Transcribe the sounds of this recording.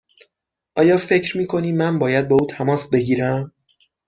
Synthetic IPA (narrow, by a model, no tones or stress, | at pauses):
ʔɒːjɒːfe̞cʰɾmiːkʰo̞niːmːænbɒːjæd̪̚bɒːuːt̪ʰæmɒːsbe̞ɡiːɾæm